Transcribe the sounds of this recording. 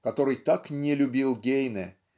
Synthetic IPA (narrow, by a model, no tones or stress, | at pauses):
kɐt̪o̞ɾɨjt̪aknʲɪlʲʊbʲilˠɡʲejnɛ